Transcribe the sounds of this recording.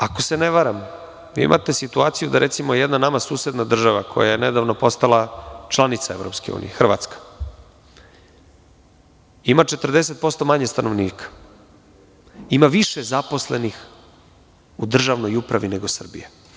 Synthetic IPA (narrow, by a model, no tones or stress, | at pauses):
ako̞se̞neʋaɾam | ʋḭḭmʔa̰t̪e̞sit̪uaːt̪sijud̪aɾʔet̪simojejed̪nanamasuːsed̪nad̪r̩ʒaʋakʰo̞jajened̪aʋnopo̞st̪alat͡ʃlˠanit̪sae̞vɾopskeṵːnḭexr̩ʋa̰t̪skḁ | imat͡ʃe̞t̪r̩d̪e̞se̞t̪̚po̞st̪o̞maɲest̪ano̞ʋniːkḁ | imaʋiʃezapo̞slenix | ud̪r̩ʒaʋno̞jupɾaʋine̞ɡo̞sr̩bḭje